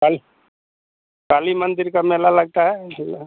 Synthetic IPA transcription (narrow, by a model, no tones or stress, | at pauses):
kali | kaːlimənd̪ɪɾkameːlalɐɡ̚t̪aɦɛ